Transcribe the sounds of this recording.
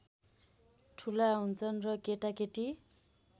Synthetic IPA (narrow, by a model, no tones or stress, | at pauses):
ʈʰulaɦunt͡sʰʌnrʌkeʈakeʈi